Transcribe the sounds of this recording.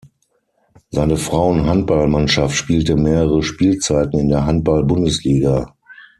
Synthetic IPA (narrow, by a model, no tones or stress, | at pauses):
zaɪnəfʁ̥aʊənɦant̚b̥almanʃaftʃpiːltəmeːʁəʁəʃpiːlt͡saɪtn̩ɪndeːɐɦant̚b̥albʊndəsliːɡa